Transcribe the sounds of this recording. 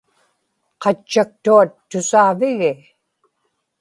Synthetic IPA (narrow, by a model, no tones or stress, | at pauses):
qɑt͡ʃːak̚t̪uat̪ːʊsaːvɪɣɪ